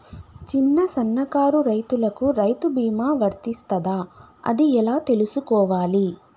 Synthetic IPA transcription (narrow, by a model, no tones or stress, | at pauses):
t͡ʃinːɐsɐnːɐkaːɾuɾɐjt̪ulɐkuɾɐjt̪ubiːmaːʋɐɾt̪ist̪ɐd̪aːɐ̰d̪iɛlaːt̪e̞lusukɔːʋaːli